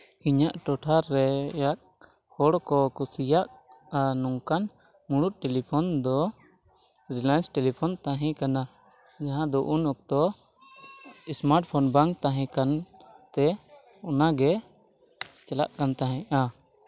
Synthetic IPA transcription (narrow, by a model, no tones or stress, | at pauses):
iɲaʔʈɔʈʰaɾːɛjak̚ | hɔɽkɔkusijaʔ | anuŋkan | muɽ̃ut̪̚ˀʈɛlipʰɔnd̪ɔ | ɾilajnsʈɛlipʰɔnt̪aɦɛ̃kana | d͡ʒaɦãd̪ɔʔunɔk̚t̪ɔ | ismaɾʈ̚pʰɔnbaŋkt̪aɦɛ̃kant̪ɛ | ɔnaɡɛ | t͡ʃɛla̰ʔkant̪aɦɛ̃ʔa